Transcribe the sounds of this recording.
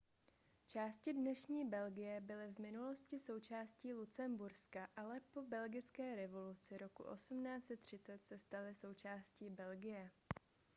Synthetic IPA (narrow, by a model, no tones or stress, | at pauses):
t͡ʃaːscɪdnɛʃɲiːbɛlɡɪjɛbɪlɪvmɪnulo̞scɪso̞wt͡ʃaːsciːlut͡sɛmbuɾskaʔalɛpo̞bɛlɡɪt͡skɛːɾɛvo̞lut͡sɪɾo̞kṵʔo̞sumnaːt͡sɛt̪ːr̝̥ɪt͡sɛt̪sɛst̪alɪso̞wt͡ʃaːsciːbɛlɡɪjɛ